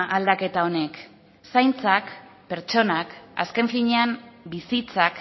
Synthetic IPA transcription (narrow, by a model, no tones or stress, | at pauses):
ʔald̪ake̞t̪ao̞ne̞k | sajnt͡sakpe̞ɾt͡ʃo̞naka̰ske̞ɱfiɲe̞ambisit͡sak